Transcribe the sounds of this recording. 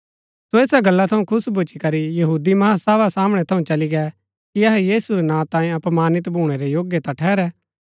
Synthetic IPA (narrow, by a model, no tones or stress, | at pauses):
soeːsaɡɐlːat̪ʰɐũkʰʊsbʱut͡ʃikɐɾijɐɦuːd̪imɐasaːʋasaːmɽ̃ɛt̪ʰɐũt͡ʃɐliɡɛ | kiɐɦɛjiːsuɾɛnãːt̪ãːĩɐpmaːnɪt̪bʱuːɽ̃ɛɾejoːɡjet̪ɐ̃ʈʰɛːɾɛː